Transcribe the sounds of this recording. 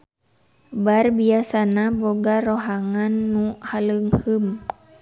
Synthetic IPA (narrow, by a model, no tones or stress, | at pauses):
barbiasanaboɡaroɦaŋanːuhaləŋhəm